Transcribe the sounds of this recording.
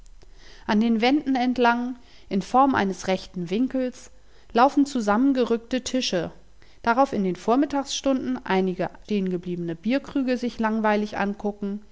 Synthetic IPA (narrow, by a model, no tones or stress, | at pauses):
ʔandeːnvɛndn̩ɛntlaŋ | ʔɪnfɔɐmʔa̰ɪnəsʁɛçtn̩vɪŋkl̩s | laʊfn̩t͡suzamənɡəʁʏktətʰɪʃə | d̥aʁaʊfɪndeːnfoːɐmɪtaːksʃtʊndn̩ʔaɪnɪɡəʃteːənɡəbliːbənəbiːɐkʁ̥yːɡəzɪçlaŋvaɪlɪçʔa̰nkʰʊkŋ̩